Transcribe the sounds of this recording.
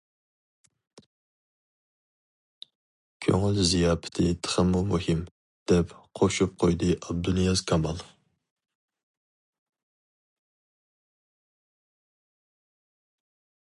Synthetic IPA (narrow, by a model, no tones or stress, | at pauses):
kʲʰø̰ŋylzijɑːpʰɪ̥t̪ʰɪt̪ʰə̥χəmːumuhɪm | d̪̥ɛpqʰoʃup̚qʰojd̪ɨʔɑb̚d̪unjɑzkʰɑmɑlˠ